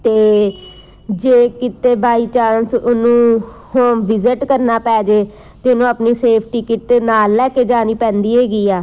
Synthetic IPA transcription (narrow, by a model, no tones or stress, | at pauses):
t̪eː | d͡ʒeːkɪt̪eːbʱaːiːt͡ʃãːnsʊnũː | hoːʋɪzɪʈkəɾnaːpɛːd͡ʒeː | t̪eːʊnũːapniːseːpʰʈikɪʈːnaːlːɛːkeːd͡ʒaːniːpɛ̃ːnd̪iːɦeːɡiːaː